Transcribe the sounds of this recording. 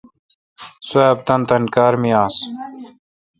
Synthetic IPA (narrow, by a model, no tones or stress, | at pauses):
suaːb̚t̪ɐnt̪ɐnkaːɾmijaːs